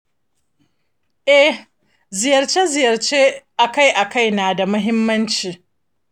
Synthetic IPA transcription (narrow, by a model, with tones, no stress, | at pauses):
ʔɛ˦ | zɪ˨jɐ˨rt͡ʃe˦zɪ˨jɐ˨rt͡ʃeː˦ʔa˨ka˦˨jʔa˨ka˦˨jnaː˨da˨mʊ˦ɦɪ˦mːɐ˦nt͡ʃiː˨